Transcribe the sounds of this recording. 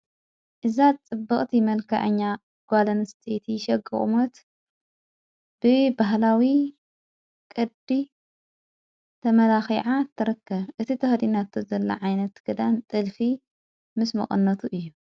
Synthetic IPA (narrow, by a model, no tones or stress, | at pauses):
ʔɨzat͡sʼɨbːɨχʼt̪ʰimɐlkʰɐ̰ʔɐ̰ɲːa | ɡ̥ʷalɐnst̪ʰet̪ʰiʃɐɡɨ̰xʼmot̪ | b̥ɨbaɦlawi | kʼɨd̪b̪i | t̪ʰɐmɐlaxiʕat̪ʰːɐɾɐkːɐβʔɨt̪ʰit̪ʰɐhd̪inat̪ʰːozɐlːɐ̰ʕajnɐt̪ɡ̥ɨd̪ant̪ʼɨlfi | mɨsmɐ̰χʼɨ̰nːɐt̪ʰuʔɨjːu